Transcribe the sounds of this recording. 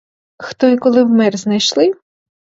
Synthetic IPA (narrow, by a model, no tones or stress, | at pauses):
xt̪ɔjkɔlˠɪwmɛrznɐjʃlˠɪ